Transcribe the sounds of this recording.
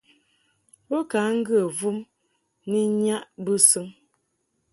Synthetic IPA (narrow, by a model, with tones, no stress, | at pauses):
bo˦ka˨˦ŋ̩˦ɡə˦˨vu˦m | ni˦ɲa˦ʔbɨ˦sɨ˦ŋ